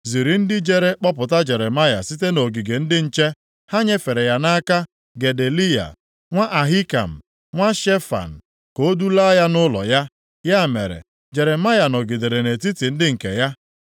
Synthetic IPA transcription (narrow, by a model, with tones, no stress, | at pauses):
zi˨ɾi˨n̩˦dɪ˦d͡ʒe˨ɾe˦k͡pɔ˦pʊ˨ta˦d͡ʒe˨ɾe˨ma˦ja̰˨si˦te˦no˨ɡi˨ɡe˨n̩˦dɪ˦n̩˦t͡ʃe˦ | ha˦ɲe˦fe˨ɾe˨ja˦na˦ka˦ | ɡe˨de˨li˦ja̰˨ | ŋʷa˦ʔa˨ɦi˦ka̰˨m̩˨ | ŋʷa˦ʃe˦fa̰˨n̩˨ | ko˦du˦la˦ja˦nʊ˦lɔ̰˨ja˦ | ja˦˨mḛ˨ɾḛ˨ | d͡ʒe˨ɾe˨ma˦ja˨nɔ˨ɡi˨de˨ɾe˨ne˨ti˦ti˨n̩˦dɪ˦ŋ̩˨kḛ˨ja˦